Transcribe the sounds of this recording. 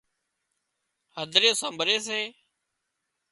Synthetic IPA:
həd̪ʱɾeːsəmbʱɾeːseː

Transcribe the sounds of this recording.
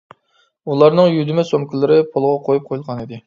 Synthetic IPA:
ulˠɑɾnɨŋjyd̪ɪmɛsomkʲilɪɾɪpʰolˠʁɑqʰojup̚qʰojulˠʁɑnid̪ɪ

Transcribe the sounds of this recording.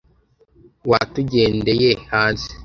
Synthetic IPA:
watuɟeːndejehaːnzi

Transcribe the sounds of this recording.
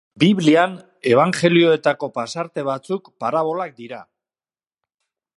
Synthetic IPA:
biβlian | e̞β̞aŋxe̞lio̞e̞t̪ako̞pasaɾt̪e̞β̞at͡sukpaɾaβ̞o̞lak̚d̪iɾa

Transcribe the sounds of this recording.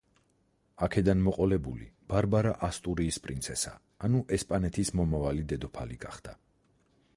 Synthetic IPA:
akʰɛd̪anmɔqʼɔlɛbulḭb̥aɾbaɾaʔast̪ʼuɾiːspʼɾint̪sʰɛsa̰ː | nuʔɛspʼanɛt̪ʰismɔmavalid̪ɛd̪ɔpʰaliɡaχd̪̥a

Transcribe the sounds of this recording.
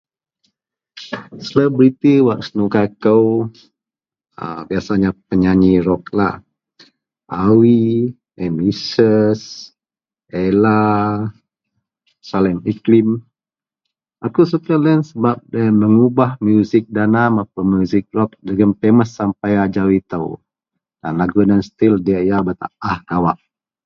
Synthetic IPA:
sələbəɾit̪əwaʔsənukakəw | ə̰biasaɲap̚əɲaɲiɾɔkla̰h | ʔawi | ɛmisəs | ela | salɛmiklim | ʔakus̬ukələnsəbap̚dəməŋubahmjuzɪk̚danamapəmjuzɪk̚rɔk̚dəɡəmpeməsːampajad͡ʒawit̪əw | danlaɡudanst̪ildiaʔjabət̪a̰ahɡawaʔ

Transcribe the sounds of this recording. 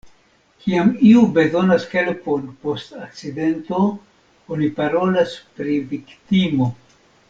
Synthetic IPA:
kiamiube̞zo̞nashe̞lpo̞npo̞stak̚t͡sid̪e̞nto̞ | onipaɾo̞laspɾiviktimo̞

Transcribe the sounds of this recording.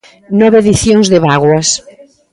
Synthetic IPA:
nɔβeeðiθjoŋzðeβaɣwɐs

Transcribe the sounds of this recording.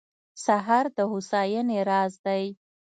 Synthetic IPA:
saɦɑɾd̪əhusɑjəneɾɑzd̪aj

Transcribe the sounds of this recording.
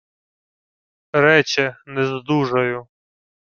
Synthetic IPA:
ɾɛt͡ʃɛnɛzd̪uʒɐjʊ

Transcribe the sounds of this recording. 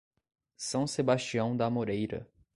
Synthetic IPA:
sɐ̃w̃sebaʃt͡ʃiɐ̃w̃d̪ɐmoɾejɾɐ̰

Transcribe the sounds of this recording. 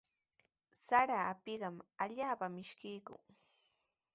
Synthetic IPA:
saɾaːpɪɢɑmaʎaːpamɪʃkɪjkʊ̰ŋ

